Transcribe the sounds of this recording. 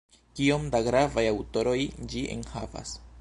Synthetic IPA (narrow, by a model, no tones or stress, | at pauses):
kio̞mdaɡɾavajawto̞ɾo̞jd͡ʒiʔḛnhava̰s